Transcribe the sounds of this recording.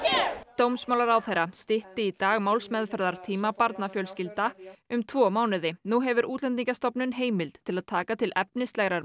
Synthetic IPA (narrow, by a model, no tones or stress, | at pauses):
t̪owmsmawlaɾawθejɾːast̪ɪht̪ɪit̪aːɣmawlsmɛðfɛɾðaɾ̥t̪ʰiːmapaɾt̪nafjœlscɪlt̪aʏmt̪ʰvɔːmaːwnɪðɪnuɦɛvʏɾuːt̪lɛnt̪iŋcast̪ɔpnʏnɦeːjmɪlt̪t̪ʰːɪlaðt̪ʰaːkat̪ʰɪlɛp̚nɪst̪lɛɣɾaɾ